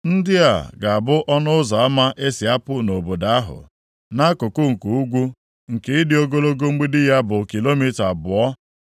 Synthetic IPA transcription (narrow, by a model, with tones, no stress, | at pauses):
n̩˦dɪ˦a̰˨ɡa˨a˨bʊ˦ʔɔ˦nʊ˦zɔ˨a˦ma˦ʔe˦si˨a˦pʊ˦no˨bo˨da˦a˦ɦʊ̰˨ | na˦kʊ˨kʊ˦ŋ̩˨ku˨u˦ɡʷu˦ | ŋ̩˨ke˦ɪ˦dɪ˨o˦ɡo˦lo˦ɡo˦ŋ͡m̩˦ɡ͡bi˦dɪ˦ja˦bʊ˨ki˨lo˦mi˦ta˨bʊ˨ɔ˦